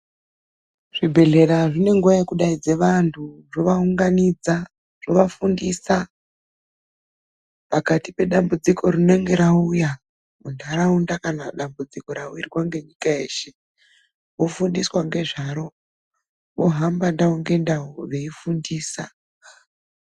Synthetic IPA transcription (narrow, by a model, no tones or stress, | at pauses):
ʐ̥ibʱe̞ɮe̞ɾaʐine̞ŋɡuʋajekuɗaid͡ze̞ʋantʰuʐo̞ʋauŋɡanid͡za | ʐ̥o̞ʋafundisa | pakatipe̞ɗambud͡ziko̞rine̞ŋɡe̞ɾauja | undaɾaundakanaɗambud͡ziko̞ɾauirwaŋɡe̞ɲikae̞ːʃe̞ | ʋofundiswaŋɡe̞ʐaɾo̞ | ʋo̞ɦambandauŋɡe̞ndaoʋe̞ifundiːsa̰